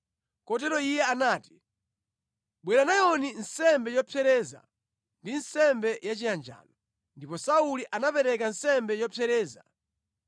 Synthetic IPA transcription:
kɔt̬ɛɾɔijɛanaːti̥ | ɓwɛɾanajɔninsɛmbɛjɔpʰɛɾɛːza̰ | ndinsɛmbɛjat͡ʃijand͡ʒa̰ːlɔ | ndipɔsauliʔanapɛɾɛkansɛmbɛjɔpʰɛɾɛːza̰

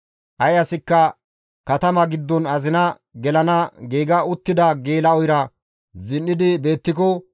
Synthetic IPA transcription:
ʔɐjɐsɪkːɐ | kɐt̪ɐmɐɡɪd̪ːɔnɐzɪnɐ | ɡɛlɐnɐɡeːɡɐʊt̪ːɪd̪ɐɡeːlɐɔjɾɐ | zɪnːɪd̪ɪbe̞ːt̪ːɪkɔ

